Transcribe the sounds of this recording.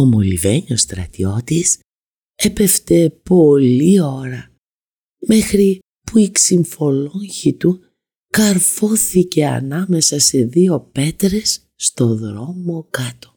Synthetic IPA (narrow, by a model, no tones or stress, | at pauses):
o̞mo̞liveɲo̞st̪ɾɐ̰t̪io̞t̪is | e̞pe̞ft̪e̞po̞lio̞ɾɐ | me̞xɾi | puiksiɱfo̞lo̞ɲçit̪u | kɐɾfo̞θice̞ɐ̰nɐme̞sɐse̞ðio̞pe̞t̪ɾe̞sː | t̪o̞ðɾo̞mo̞kɐt̪o̞̥